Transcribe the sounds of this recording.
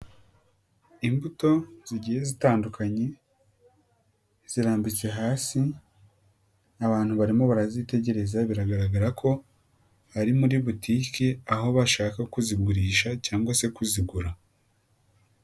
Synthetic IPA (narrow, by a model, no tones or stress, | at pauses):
imbuto̞z̥iɟihe̞zitaːndukʰaɲe̞ | z̥iɾaːmbit͡se̞ɦaːsi | aβaːn̥huβaɾimo̞βaɾazite̞ɟe̞ɾe̞zaβiɾaɡaɾaɡaɾakʰo̞ | haɾimuɾiβutiːkiaɦo̞βaʃaːkakuzib̚ɡuɾiːʃacaːŋɡwase̞kuziɡuɾa